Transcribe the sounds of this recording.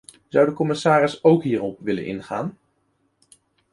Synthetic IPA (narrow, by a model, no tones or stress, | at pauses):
z̥ʌwdəkɔmɪsaːrɪsowkɦiːrɔpʋɪlə̰nɪ̰nχa̰ːn